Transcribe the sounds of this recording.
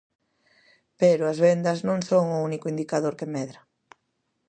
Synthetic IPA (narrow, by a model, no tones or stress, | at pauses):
peɾʊɐzβend̪ɐznõŋsoŋʊunikʊind̪ikaðoɾkemɛðɾɐ